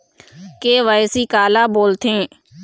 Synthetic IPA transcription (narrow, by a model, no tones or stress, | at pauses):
keʋajsikaːlaːboːlt̪ʰẽː